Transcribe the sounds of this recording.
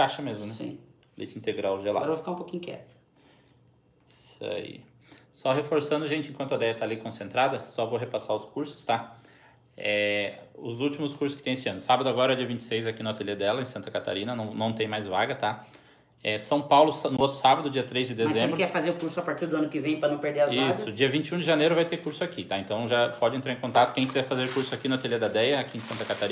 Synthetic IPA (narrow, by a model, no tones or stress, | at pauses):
aʃɐmezmʊ̃nɛsḭ̃ | d̪ḛt͡ʃɪĩnt̪eɡɾawʒela̰ɾɐvofi̥kaɾũpokĩɲ̃ʊ̃kɛ̰t̪ɐ̥ | sa̰ḭ | sɔɦefoɾsɐ̃nd̪ʊʒẽnt͡ʃɪẽkwɐ̃nt̪ʊɐd̪ɛjɐt̪aːlikõsẽnt̪ɾad̪ɐsɔvoɦepasaʊskuɾsʊ̥st̪a | ɛʊzut͡ʃimʊskuɾsʊskɪ̥t̪ẽesɪɐ̃nʊsabɐd̪ʊaɡɔɾɐɛd͡ʒiɐvĩnt͡ʃɪ̥sejzakinot̪eled̪ɛlɐẽsɐ̃nt̪ɐkat̪a̰ɾĩnɐnɐ̃w̃nɐ̃w̃t̪ẽj̃majzvaɡɐt̪a | ɛsɐ̃w̃pawlʊsnʊot̪ɾʊ̥sabɐd̪ʊd͡ʒiɐt̪ɾezd͡ʒɪd̪ezẽmbɾkɛfazeɾʊkuɾsʊapaɾt͡ʃiɾd̪ʊɐ̃nʊkɪvẽj̃pɾɐnɐ̃w̃peɾd̪eɾɐzisɐʊd͡ʒiɐvĩnt͡ʃɪũd͡ʒɪʒanejɾʊvajt̪ekuɾsʊakit̪aẽnt̪ɐ̃w̃ʒapɔd͡ʒɪẽnt̪ɾaɾẽkõnt̪at̪ʊkẽj̃kizɛɾfazeɾkuɾsʊakinʊot̪eled̪ɐd̪ɛjɐakiẽsɐ̃nt̪ɐkat̪aɾĩ